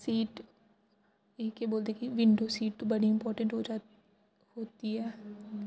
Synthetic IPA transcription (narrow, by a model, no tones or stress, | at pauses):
siːʈ | ekeboːld̪eːkiʋɪ̃ɳɖoːsiːʈ̚t̪obəɽiɪmpɔːɾʈə̃ɳʈɦoːd͡ʒaː | ɦhoːt̪iɦɛː